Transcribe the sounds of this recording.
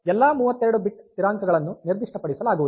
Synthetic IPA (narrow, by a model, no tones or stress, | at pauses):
ɛlːaːmuːʋɐt̪ːeɾɐɽubiʈːt̪iɾaːŋkɐɡɐɭɐnːuniɾd̪iʂʈɐpɐɽisɐlaːɡuʋud̪u